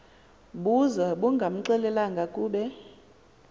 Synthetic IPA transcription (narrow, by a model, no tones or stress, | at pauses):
ɓuzaɓuŋɡʱam̩ǀɛlɛlaŋɡʱakʼuːɓɛ